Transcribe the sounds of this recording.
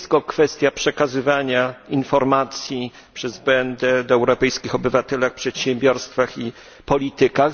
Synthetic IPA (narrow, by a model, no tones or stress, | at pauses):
t̪kɔkfɛst̪ʲjapʂɛkazɘvaɲainfɔɾmat̪sʲji | pʂɛzbɛnd̪ɛd̪ɔɛwɾɔpɛjskʲixɔbɘvat̪ɛlaxpʂɛt̪ɕɛmbʲjɔɾst̪faxi | pɔlʲit̪ɘka